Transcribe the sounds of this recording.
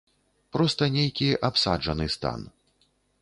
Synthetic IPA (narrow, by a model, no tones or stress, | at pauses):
pɾɔst̪ɐnʲejkʲiʔapsa̰d͡ʐɐnɨst̪a̰n